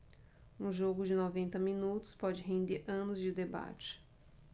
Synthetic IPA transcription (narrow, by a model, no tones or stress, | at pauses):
ũʒoɡʊd͡ʒɪnovẽnt̪ɐmĩnut̪ʊ̥spɔd͡ʒɪɦẽnd̪eɾɐ̃nʊzd͡ʒɪd̪eba̰t͡ʃɪ̥